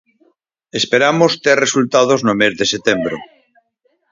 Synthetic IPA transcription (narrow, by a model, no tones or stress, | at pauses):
espeɾamost̪erresult̪að̞oznomezðeset̪embɾo̰